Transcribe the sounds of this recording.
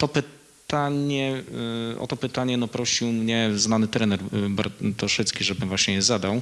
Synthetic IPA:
t̪ɔpɘ | t̪aɲɛ | ɔ̰t̪ɔpɘt̪aɲɛnɔpɾɔɕiwmɲɛznanɘt̪ɾɛnɛɾba̰ɾt̪ɔʂɛt̪skʲiʐɛbɘmvwaɕɲɛjɛzad̪aw

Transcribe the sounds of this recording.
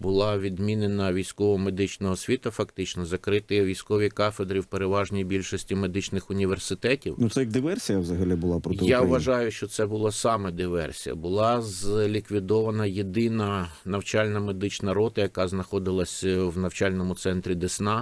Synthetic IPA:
bʊlˠɑʋʲid̪mʲinenɐʋʲijsʲkɔʋɔme̞d̪ɪt͡ʃnɔɦɔsʲʋʲit̪ɐfɐkt̪ɪt͡ʃnɔzɐkɾɪt̪ɪʋʲijsʲkɔʋʲikɑfed̪ɾʲiwpeɾeʋɑʒnʲijbʲilʲʃɔsʲtʲime̞d̪ɪt͡ʃnɪxʊnʲiʋe̞rsɪt̪ɛtʲiwnʊt̪sɛjɐɡ̚d̪ɪʋɛrsʲijɐʋzɐɦɐlʲibʊlˠɑpɾɔɪjaʋɐʒɑjʊʃt͡ʃɔt̪sɛbʊlˠɐsɑmɛd̪ɪʋɛ̰rsʲḭjɐ̰bʊlˠɑzlʲikʋʲid̪ɔʋɐnɐjed̪ɪnɐnɐwt͡ʃɑlʲnɐme̞d̪ɪt͡ʃnɐɾɔt̪ɐjɐkɑznɐxɔd̪ɪlˠɐsʲwnɐwt͡ʃalʲnɔmʊt̪sɛnt̪ɾʲid̪esnɑ

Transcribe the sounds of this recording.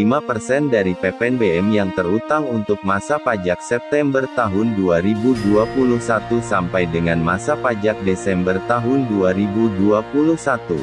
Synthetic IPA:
limapərsɛndaɾipɛpɛnbeɛmjaŋt̪ərut̪aŋunt̪ʊk̚masapad͡ʒak̚sɛp̚t̪ɛmbərt̪aɦʊnduaɾibuduapuluhsat̪usampajdəŋanmasapad͡ʒak̚desɛmbərt̪aɦʊnduaɾibuduapuluhsat̪ṵ

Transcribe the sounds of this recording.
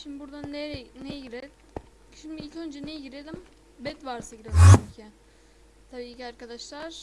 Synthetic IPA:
ʃimd̪ibuɾd̪anɛnejɟiɾe | ʃimd̪iilʲcʰønd͡ʒɛnejɟiɾed̪im | bɛt̪vaɾsaɟiɾed̪ʲimt͡ʃʰyɲcʰɪ | t̪ʰabiːciaɾkad̪aʃlˠaɾ̥

